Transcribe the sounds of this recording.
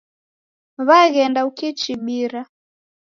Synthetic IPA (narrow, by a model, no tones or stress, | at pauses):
βaɣɛndaukit͡ʃiɓiɾa